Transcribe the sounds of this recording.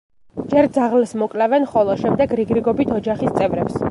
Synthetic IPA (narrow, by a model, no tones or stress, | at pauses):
d͡ʒɛɾd̪zaʁlɛsmɔkʼlɛvɛnχɔlˠɔʃɛmd̪ɛɡɾiɡɾiɡɔbit̪ʰɔd͡ʒaχist̪sʼɛvɾɛps